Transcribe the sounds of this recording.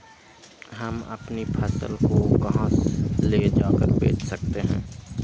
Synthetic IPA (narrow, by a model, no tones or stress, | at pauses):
ɦəmə̰pnipʰəsə̰lkokɐɦə̃sleːd͡ʒaːkəɾbḛːt͡ʃʰsək̚t̪eɦɛ̰̃ː